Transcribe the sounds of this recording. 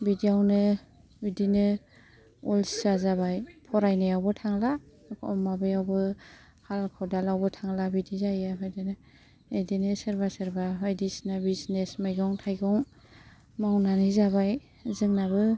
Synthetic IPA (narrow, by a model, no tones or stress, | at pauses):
bidijawnɯ | bidinɯ | ɔlszazaβajpʰɔɾajnɯjawbɯtʰaŋla | kʰɔmabɯjawbɯ | halkʰɔdalawbɯtʰaŋlabidizajaɦɔjdenɯ | edinɯsɯɾbasɯɾbaɦɔjdisnabisnesmajɡɔŋtʰajɡɔŋ | mawnanizabaj | zɯŋnabɯ